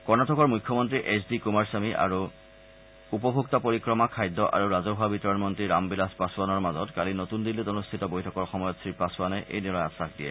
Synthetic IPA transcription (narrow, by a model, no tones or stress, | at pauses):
kɔɹnatʰɔkɔɹmujkʰːɔmɔntɹiʔesdikumaɹsamiʔa̰ɹu | upɔbʱuk̚tapoɹikɹɔmakʰajdɔʔa̰ɹuɹazɔɦabitɔɹɔnmɔntɹiɹambilaspasuwanɔɹmazɔtkalinotundilːitonustʰitɔbojtʰɔkɔɹxɔmɔjɔtsɹipasuwanɛʔḛjnɛlɔja̰saxdiɛ̰